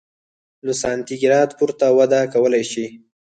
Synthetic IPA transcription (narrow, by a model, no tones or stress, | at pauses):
nʊsɑnt̪iɡɪɾɑt̪puɾt̪awad̪akawəlajʃi